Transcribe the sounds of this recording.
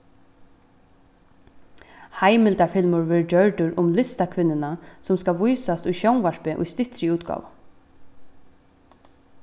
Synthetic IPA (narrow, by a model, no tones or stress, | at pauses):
hajmɪlt̪aɹfɪlmʊɹvɪɹd͡ʒœɹt̪ʊɾʔʊmlɪst̪akʰʋɪnːɪnasʊmskaʋujsast̪ʊjʃownvaɹ̥pɪʔʊ̰jst̪ɪht̪ɾɪuːt̪ɡɑ̰ːʋa